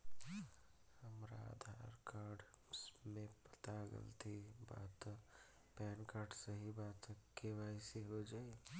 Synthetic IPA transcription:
həmɾa̰ə̰d̪ʱaɾkaɾɖmẽpət̪aɡə̰lt̪ʰiba̰t̪ | pɛːnkaːɾɖsəɦibat̪keʋaɪseɦod͡ʒaːi

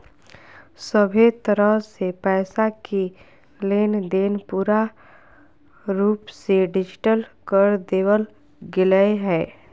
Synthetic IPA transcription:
səbʱet̪əɾəɦsepɛːsaki | leːnd̪eːnpuːɾa | ɾuːpseɖɪd͡ʒɪʈəlkəɾd̪eːwəl | ɡɪləeɦɛː

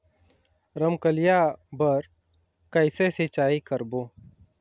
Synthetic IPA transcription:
ɾəmkəlɪjabəɾ | kəɪseset͡ʃaːikəɾboː

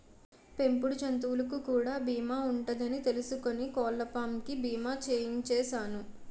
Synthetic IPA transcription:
pe̞mpuɽut͡ʃɐnt̪̬uʋulɐkukuːɽaːbiːmaːuɳʈɐd̪ɐnit̪e̞lusuko̞nikɔːlːɐpaːmkibiːmaːt͡ʃeːjiɲt͡ʃɛːʃaːnu

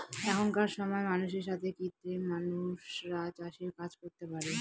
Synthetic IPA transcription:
ɛkʰonkaɾʃɔmɔemanuʃeɾʃat̪ʰekit̪ːɾemanuʃɾat͡ɕaʃiɾkad͡ʑkoɾt̪epaɾe

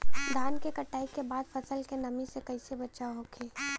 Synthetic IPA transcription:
d̪aːnkekəʈːaːikebaːd̪pʰəsəlkenɐmisekəɪsebətːʃaoɦokʰeː

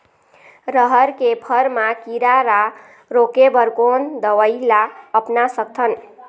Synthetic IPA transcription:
ɾəɦəɾkepʰəɾmakiɾaɾa | ɾokebəɾkond̪əʋəjlaəpnasək̚t̪ʰən

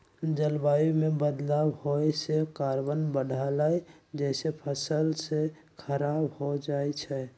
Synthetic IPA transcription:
d͡ʒəlbajumebəd̪labhojsekaɾbənbəɽ̤ʱalaj | d͡ʒɛɪsepʰəsəlse | kʰəɾabhod͡ʒat͡ʃʰɛ

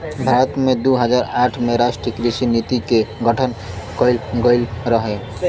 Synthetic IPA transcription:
bʱaːɾət̪mẽd̪uːɦəd͡ʒaːɾaːʈʰmẽɾaʃʈɾəkɾisinit̪ikeɡəʈʰən | kəɪlɡəɪlɾəɦe

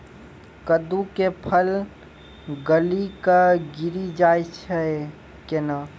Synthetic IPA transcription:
kəd̪ukepʰəl | ɡəlikaɡiɾid͡ʒajt͡ʃʰɛ | kena

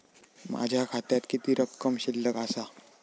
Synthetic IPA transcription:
mʔa̰d͡ʒʱakʰat̪jat̪kit̪iɾəkːəmɕɪlːəkasa

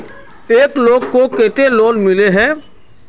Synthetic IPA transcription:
eːkloːɡkokeːt̪eloːnmɪleɦɛ̃ː

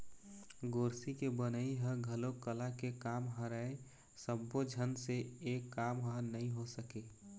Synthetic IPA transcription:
ɡoːɾsikebənəiɦəɡʱəlokəlakekaːmɦəɾae | səbːod͡ʒʱənseeːkːaːmɦənəĩɦosəke

